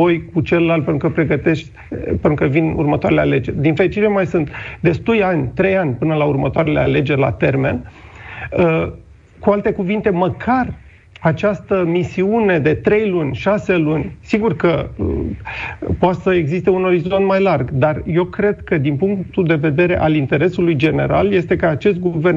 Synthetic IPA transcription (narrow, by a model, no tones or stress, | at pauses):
o̞jkut͡ʃe̞ləlalt̪pent̪ɾukəpɾe̞ɡət̪e̞ʃt̪ʲ | penɾukəvinṵrmət̪oaɾeleale̞d͡ʒe̞rʲd̪infe̞lit͡ʃit̪emajsɨnt̪d̪e̞st̪ulʲanʲt̪ɾe̞janʲpɨnəlaurmət̪oaɾe̞leale̞d͡ʒe̞rʲla̰t̪e̞rme̞n | ə | kualt̪e̞kuvint̪e̞məkʰar | at͡ʃast̪əmisiune̞d̪e̞t̪ɾe̞jlunʲʃase̞lunʲsiɡurkə̰ | poat̪səeɡzist̪e̞uno̞ɾizo̞nt̪majlarɡd̪arje̞wkɾe̞d̪kəd̪inpuŋkt̪ud̪e̞ve̞d̪e̞ɾe̞ʔalint̪e̞ɾe̞sulujd͡ʒe̞ne̞ɾa̰lje̞st̪e̞kəat͡ʃe̞st̪̚ɡuve̞rn